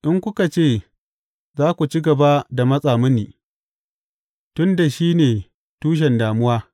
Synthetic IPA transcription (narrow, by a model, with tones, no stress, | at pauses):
ʔɪ˦ŋkʷʊ˦ka˨t͡ʃeː˦˨ | zaː˦kʷu˨t͡ʃi˦ɡɐ˨ba˦da˨mɐ˦sʼaː˨mʊ˦nːiː˨ | tʊ˦nda˨ʃiː˦neː˨ | tuː˦ʃ̬ɛ˨ndaː˨mʊ˦waː˦